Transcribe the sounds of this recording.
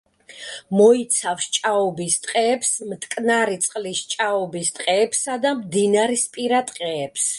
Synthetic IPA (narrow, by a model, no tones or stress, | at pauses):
mɔit̪sʰafsʃt͡ʃʼaɔbist̪ʼqʼɛːpsmt̪ʼkʼnaɾit̪sʼqʼlisʃt͡ʃʼaɔbist̪ʼqʼɛːpsad̪amd̪inaɾispʼiɾat̪ʼqʼɛːps